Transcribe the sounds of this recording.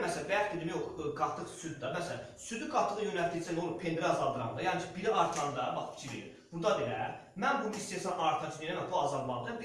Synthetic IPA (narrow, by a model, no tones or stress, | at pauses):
mæsælæbæjɑt̪id̪imæjoχɡɑt̪ʰːɯχsyd̪̚d̪ɑmæsælæ | syd̪yɡɑt̪ʰɯʁɯjønælt̪ʰisʰænd̪onupʰe̞nd̪ɾæɑzɑlˠd̪ɯɾɑmd̪ɑjɑncʰibiɾiʔɑɾt̪ʰɑnd̪ɑbɑχfʰi̥t͡ʃʰiɾḭḭ | b̥und̪ɑd̪ejæ̰ɾmænbunumist̪esɑmɑɾt̪ʰɑt͡ʃʰynenæmæbuɑzɑlˠmɑlˠd̪ɯ